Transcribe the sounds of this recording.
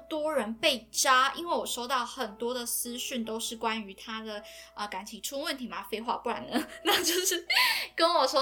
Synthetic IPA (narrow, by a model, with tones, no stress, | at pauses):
t̪wɔ˥ɻə˧˦npe˥˩ɪʈ͡ʂa˥ḭ˥nwe˥˩ɪwɔ˨˩ʂo˥ʊt̪ɑ˥˩ʊxə˨˩nt̪wɔ˥d̪ə˨sɹ̩˥ɕy˥˩nt̪o˥ʊʂɻ̩˥˩kwa˦˥ny˧˥t̪ʰa˥d̪ə˩ə˨˩ka˧˥nt͡ɕʰi˨ŋʈ͡ʂʰu˥ŋwə˥˨nt̪ʰi˨˥ma˨˩fe˥ɪxwa̰˥˧pu˥˩a̰˨˦nd̪ə˨˦na˥˧t͡ɕjo˥˧ʊʂɻ̩˥˩kə˦nwɔ˨˩ʂwɔ˥